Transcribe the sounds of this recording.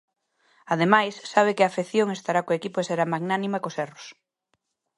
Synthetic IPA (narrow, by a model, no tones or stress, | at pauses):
að̞emajsːaβ̞ekɪafeθjoŋest̪aɾakoekipoeseɾamaɡnanĩmakoseros